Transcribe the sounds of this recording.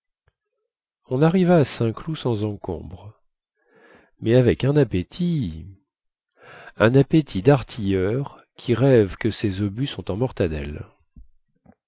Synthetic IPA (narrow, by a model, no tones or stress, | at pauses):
ɔ̃naʁivaːsɛ̃klusɑ̃zɑ̃kɔ̰̃bʁ | mɛavɛkɛ̃napet̪ʰi | ɛ̃napet̪ʰid̪aʁt̪ʰijœʁ | kʲʰiʁɛvkəsezobysɔ̃t̪ɑ̃mɔʁt̪ad̪ɛ̰l